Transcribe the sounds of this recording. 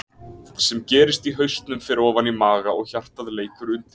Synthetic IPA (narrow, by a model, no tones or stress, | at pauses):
sɛmcɛːɾɪst̪iɦœɥst̪nʏmfɪɾɪɾɔːvanimaːɣaɔɣçar̥t̪aðleːjkʏɾʏnt̪